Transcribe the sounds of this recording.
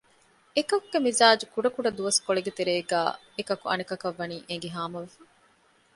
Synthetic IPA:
ekɐkuɡ̥emizaːd͡ʒukuɖɐkuɖɐd̪uʋɐskoɭeɡet̪eɾeːɡæ̰ː | ekɐkuɐ̰nikɐkɐʋːɐniːʔeŋɡeɦaːmɐʋefɐ

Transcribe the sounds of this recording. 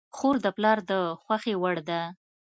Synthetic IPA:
xoɾd̪əplɑɾd̪əxwaxewəɽd̪a

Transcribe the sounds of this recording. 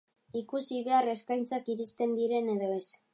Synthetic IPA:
ikusiβe̞are̞skajnt͡sakiɾist̪e̞nd̪iɾe̞ne̞ðo̞e̞s

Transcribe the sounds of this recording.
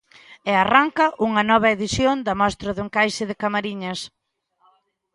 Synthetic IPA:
earaŋkɐʔuŋɐnɔβ̞ɐeðiθjond̪ɐmɔst̪ɾʊðuŋkajʃɪðɪkamaɾiɲɐs

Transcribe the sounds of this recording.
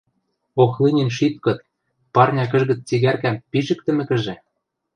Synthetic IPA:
oxlinʲĭnʃit̪̚kɤ̆t̪̚ | pɑrnʲɑk̬ɘ̆ʒɣɘ̆t͡st͡siɣærkæmpiʒɘ̆k̚t̪ɘ̆mɘ̆kɘ̆ʒĕ

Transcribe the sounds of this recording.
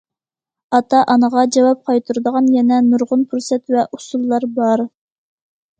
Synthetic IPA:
ɑt̪ʰɑʔɑnəʁɑd͡ʒɑwɑp̚qʰɑjt̪ʰuɾɨd̪əʁɑnjɛnɛnuɾʁʊnpʰuɾsɛt̪vɛʔusulˠːɑɾbɑɾ

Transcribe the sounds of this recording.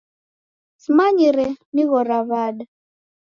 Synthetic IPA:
simaɲiɾɛniɣɔɾaβaɗa

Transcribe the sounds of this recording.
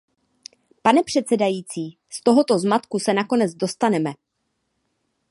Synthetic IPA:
panɛpr̝̥ɛt̪t͡sɛdajiːt͡siː | st̪o̞ɦo̞t̪o̞zmat̪kusɛnako̞nɛd͡zdo̞st̪anɛmɛ

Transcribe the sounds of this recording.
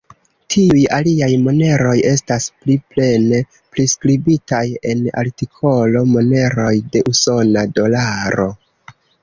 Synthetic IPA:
tʰiujaliajmo̞ne̞ɾo̞je̞staspliple̞ne̞ | pɾiskɾibitaje̞na̰ɾtikʰo̞lo̞mo̞ne̞ɾo̞jde̞ʔuso̞nado̞laɾo̞̰

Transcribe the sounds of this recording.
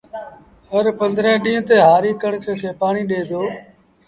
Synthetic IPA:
həɾpənd̪ɾɛ̃ːɗĩːt̪eːɦaːɾiːkəɽkkʰeːpaːɳiːɗeːd̪oː

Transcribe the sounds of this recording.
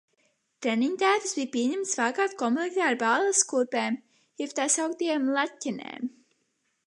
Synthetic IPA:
t̪ɾɛniɲt̪æːt̪ɨsbijpiɛɲæmt̪svaːkaːt̪kɔmlˠeikʲt̪aːɾbaːlˠaskuɾpeːm | jɛpt̪ajsawk̚t̪ijamlˠatʲːinḛːm

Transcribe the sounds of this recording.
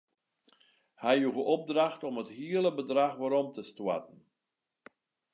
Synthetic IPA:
hɛjuɣəʔɔb̚draxtɔməthiələbədraxʋaɾɔmtəstwa̰tn̩

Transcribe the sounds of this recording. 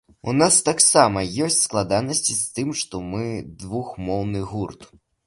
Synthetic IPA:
ṵnast̪aksamɐjɔsʲtt͡sʲsklˠad̪anɐsʲt͡sʲist̪ɨmʂt̪ɔmɨd̪vuxmɔwnɨɣurt̪

